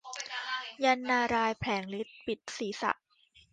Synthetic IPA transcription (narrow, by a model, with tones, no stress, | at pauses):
ja˧nːaː˧ɾaː˧jpʰlɛː˩˦ŋli˦˥t̪̚pi˨˩t̪̚siː˩˦sa̰˨˩ʔ